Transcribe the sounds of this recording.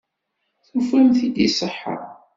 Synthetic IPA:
θufæmθid̪isˤəħːə̰ɾ

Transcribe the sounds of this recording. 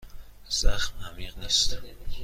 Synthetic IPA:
z̥æxmæmiːqniːst̪

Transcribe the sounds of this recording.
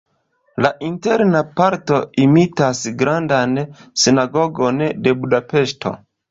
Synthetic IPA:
laʔinte̞ɾnapaɾto̞imitasɡɾandansinaɡo̞ɡo̞nde̞budape̞ʃtʰo̞̰

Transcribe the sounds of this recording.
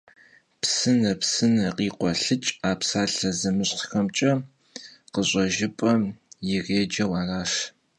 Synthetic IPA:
psɨnɐpsɨnɐqiːqʷɔɬɨt͡ʃʼaːpsaːɬɐzɐmɨɕχxɐmt͡ʃʼɐ | qəɕʼɐʒɪpʼɐjɪʁeːd͡ʒɐwɑːraːʂ

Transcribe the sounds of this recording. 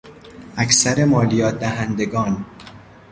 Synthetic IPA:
ʔæksæɾemɒːlijɒːt̪̚d̪æɦænd̪eɡɒːn

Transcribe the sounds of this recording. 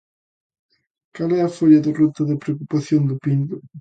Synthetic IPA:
kalɛɐfoʎaðɪrut̪ɐðɪpɾeokupaθjond̪ʊpind̪ʊ

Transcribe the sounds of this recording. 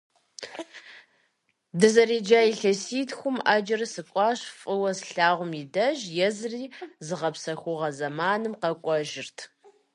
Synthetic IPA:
dɨzɐriːd͡ʒaːjiɬɐsiːtxʷʊmaːd͡ʒɐrsɨkʷʼɑːɕfʼɨwɐsɬaːʁʷʊmjidɐʒjɛzriːzɨʁɐpsɐxʷʊʁɐzɐmaːnɨmqɐkʷʼɔʒɪrtʰ

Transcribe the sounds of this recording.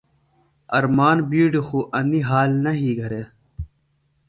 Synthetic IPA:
ɐ̰ɾmaːnbiːɖixuʔɐniɦaːlnɐɦiːɡʱɐɾeː

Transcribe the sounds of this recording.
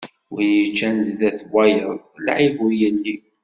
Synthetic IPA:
wijət͡ʃːænzlæθwʷæjəðˤlʕivʊɾjəlːi

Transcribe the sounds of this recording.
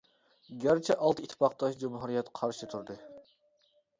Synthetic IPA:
ɡʲæɾt͡ʃʰɛʔɑlˠt̪it̪ʰːpɑq̚t̪ɑʃd͡ʒumɦuɾijɛt̪qʰɑɾʃɨt̪ʰuɾd̪ɨ

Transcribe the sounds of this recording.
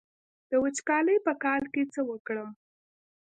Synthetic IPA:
d̪̥əwət͡ʃkɑləjpəkɑlket͡səwəkɽəm

